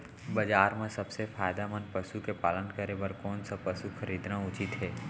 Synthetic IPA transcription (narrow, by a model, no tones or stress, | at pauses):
bɐd͡ʒaːɾmẽsɐbsefʰaːjd̪amənpɐʃukepaːlənkəɾebəɾkɔːnsapɐʃukʰəɾiːd̪nãʊt͡ʃɪt̪ɦɛː